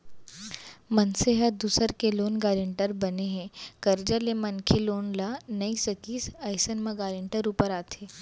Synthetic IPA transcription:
mənseɦət̚d̪uːsəɾkeloːnɡaːɾeɳʈəɾbəneɦɛ̃kəɾd͡ʒalemɐnkʰeloːnlanɐisəkiːsɐjsənmə̃ɡaːɾɪɳʈəɾuːpəɾaːt̪ʰe

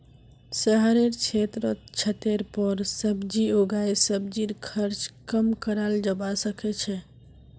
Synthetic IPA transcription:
səɦəɾeɾt͡ʃʰet̪ɾət͡ʃʰət̪eɾpəɾsəbd͡ʒioɡajsəbd͡ʒiɾkʰəɾt͡ʃkəmkəɾald͡ʒəbasəkɛt͡ʃʰɛ

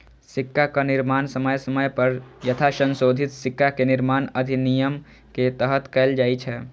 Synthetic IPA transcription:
sɪkːakanɪɾmaːnsəməjsəməjpəɾjət̪ʰasə̃nsoːd̪ʱɪt̪sɪkːakenɪɾmaːnəd̪ʱinijəm | ket̪əɦət̪kɛːld͡ʒaːit͡ʃʰɛː

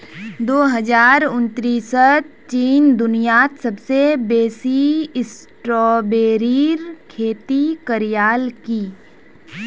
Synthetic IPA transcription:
d̪oːɦɐd͡ʒaːɾʊnt̪ɾiːsət͡ʃiːnd̪ʊnijaːt̪sɐbsebeːsiɪs | ʈɾɔːbeːɾiːɾkʰeːt̪ikəɾijaːlkiː

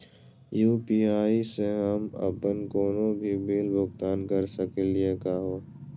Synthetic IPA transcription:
juːpiːaːiseɦɐmɐ̰pənkoːnõbʱibiːlbʊkt̪aːnkəɾsəkeliekaːɦoː

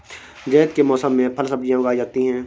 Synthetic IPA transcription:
d͡ʒɛːd̪kemɔːsəmːẽpʰəlsɐb̚d͡ʒijãʊɡaːid͡ʒaːt̪iɦɛ̃ː

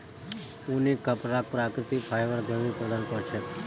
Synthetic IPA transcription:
ũnikəpɾak̚pɾakɾɪt̪ipʰajʋəɾɡʱəɾʋipɾəd̪anpəɾt͡ʃʰe

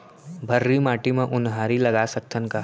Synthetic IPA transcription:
bʱɐɾːimaːʈimẽʔʊnɦaːɾilɐɡasɐk̚t̪ʰənka

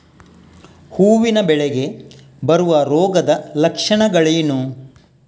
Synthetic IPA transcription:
huːʋinɐbɛɭeɡe̞ | bɐɾuʋɐɾɔːɡɐd̪ɐlɐkʂɐɳɐɡɐɭenu

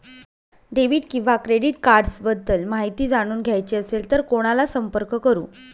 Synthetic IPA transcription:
ɖeʋiːʈkĩʋakɾeɽiʈkaɾɖsbəd̪əlmaɦit̪iːd͡zaɽ̃uːnɡʱjajt͡ɕiəselt̪əɾkoɽ̃alasəmpəɾkkəɾṵː

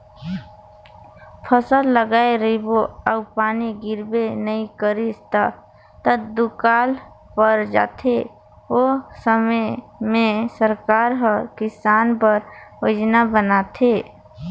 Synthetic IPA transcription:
pʰəsəlːəɡaːeɾiboəʊpaːniɡɪɾbenəĩkəɾist̪a | t̪əd̪ukaːl | pəɾd͡ʒa̰ːt̪ʰe | osəməmẽsəɾkaːɾɦəkɪsaːnpəɾod͡ʒnabənaːt̪ʰe

